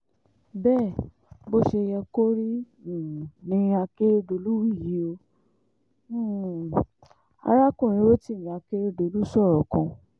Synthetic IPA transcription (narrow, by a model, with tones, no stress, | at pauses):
bɛː˦˨ | bo˦ʃe˧jɛ˧ko˦ɾĩ˦˨ | nĩ˧˦a˧ke˦ɾe˦do˧˨lu˦wi˦˨ji˨˦o˧˦˨ | a̰˧ɾa˦kõ˦˨ɾ̃ĩ˨˦wo˦ti˦˨ĩ˨a˧ke˦ɾe˦do˨lu˦sɔ˦˨ɾɔ˨kɔ̃˧